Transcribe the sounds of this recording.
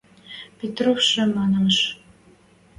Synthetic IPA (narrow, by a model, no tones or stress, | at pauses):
pʲet̪rofʃɘ̆mɑnɑʃ